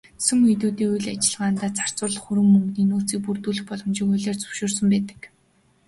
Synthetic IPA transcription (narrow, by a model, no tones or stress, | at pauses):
sɵ̆met̪̬uːt̪iːujɮat͡ɕɪ̆ɮʁaːnt̪aːt͡sʰḁr̥t͡sʊːɮ̆χuɾɵ̆mːɵŋɡniːnuːt͡siːk̚purt̪uːɮɘ̆xpɔɮɞ̆mt͡ɕikʊjɮeːrt͡sɵ̥w̥ʃoːrsɵ̆mpæːt̪ə̥̆k